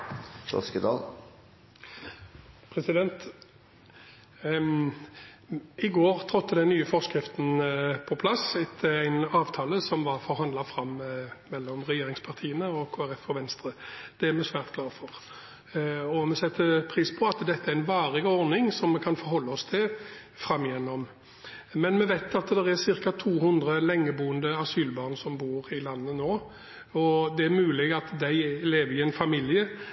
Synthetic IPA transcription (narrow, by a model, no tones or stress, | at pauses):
fɔ̰skəd̪ɑ̰ːl | pʰɾɛsɪd̪ɛnt̪ | ɪɡoːʁt̪ʰɾɔt̪ʰːəd̪ɛnnːyːəfɔskɾɪft̪n̩pʰɔpʰlɑsɪt̪ʰːəæɪnɑːʋt̪ʰɑːləsɔmʋɑɾfɔɾɦɑnd̪ɑfɾɑmːmɛlːɔmʁɛjeːɾɪŋspʰɑʁt̪ʰiːənəɔkʰoːæɾɛfɔʋɛnst̪ɾəd̪̥ɛæɾmɛsʋæːʁt̪ɡ̥ʰlɑːɾfɔʁ | ɔmɛsɛt̪ːəpʰɾiːspʰɔɑt̪d̪ɛt̪ːəæɾɛnʋɑːɾɪɡɔɾnɪŋsɔmːɛkʰɑnfɔɾɦɔlːəɔst̪ʰɪl | fɾɑmːɪjɛnːɔm | mɛnmɛʋæɪt̪ɑt̪d̪ɛɾæsɪɾkɑt̪ʰuːɦʊnd̪ɾəlɛŋːəbuːənd̪əɑsyːlbɑːʁnsɔmbuːɾɪlɑnːənoː | ɔd̪ɛæɾmʉːlɪɡɑt̪d̪æɪleːʋəɾɪɛnfɑmiljə